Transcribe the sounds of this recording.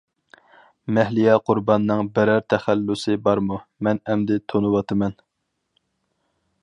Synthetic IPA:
mɛhlijɛqʰʊɾbɑnnɨŋbɛɾɛɾt̪ʰɛχælːusɨbɑɾmumɛnɛmd̪ɪt̪ʰonɨwɑt̪ʰɨmɛn

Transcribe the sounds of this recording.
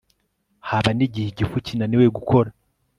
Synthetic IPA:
haβaniɟiheɟifucinaniweɡukʰo̞ɾa

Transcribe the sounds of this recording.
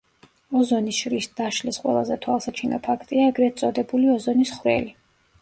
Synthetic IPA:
ɔzɔniʃɾisd̪̥aʃlisqʼwɛ̰lˠazɛt̪ʰwalˠsat͡ʃʰinɔ̰pʰakʰt̪ʼiaɛɡɾɛt̪sʼɔd̪ɛbuliɔzɔnisχwɾɛ̰li

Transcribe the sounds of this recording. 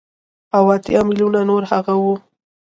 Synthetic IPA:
awat̪jɑmilunanoɾhaɣawu

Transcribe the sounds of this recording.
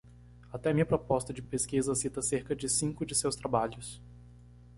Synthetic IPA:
at̪ɛɐmĩɲɐpɾopɔst̪ɐd͡ʒɪpeskizɐsit̪ɐseɾkɐd͡ʒɪsĩkʊd͡ʒɪsewst̪ɾabaʎʊs

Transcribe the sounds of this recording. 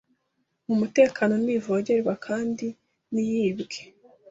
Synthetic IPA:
umute̞ːkʰaːno̞niːvoɟeɾɡwakʰaːndi | nijiːbɡe̥

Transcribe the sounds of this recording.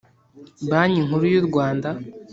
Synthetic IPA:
baɲiŋ̥huɾujuɾɡwaːnda

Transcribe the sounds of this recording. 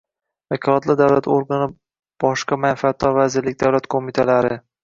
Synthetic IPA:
vakʲʰɪlɒt̪lad̪avlat̪ʰoɾɡanɪ | b̥ɒʃqamanfaat̪ʰːɒvazɪɾlɪk̚ʲd̪avlat̪kʰomit̪ʰalaɾɪ

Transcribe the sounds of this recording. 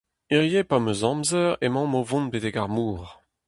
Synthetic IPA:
iʁjepamøzɑ̃mzɛʁemɑ̃movɔ̃nbeteɡaʁmuːʁ

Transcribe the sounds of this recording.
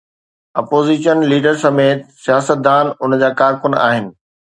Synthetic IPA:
ɐpoːziːʃənliːɖəɾsɐmeːt̪sijaːsət̪̚d̪aːnʊnd͡ʑaːkaːɾkʊna̰ːɦɪnɪ̆

